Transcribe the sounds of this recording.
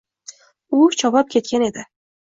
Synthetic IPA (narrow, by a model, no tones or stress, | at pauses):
ʊt͡ʃʰɒpap̚kʲʰe̞t̪̚kʲane̞d̪ɪ